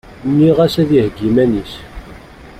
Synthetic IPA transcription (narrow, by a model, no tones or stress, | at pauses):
nːiʁæsæðihɡimænis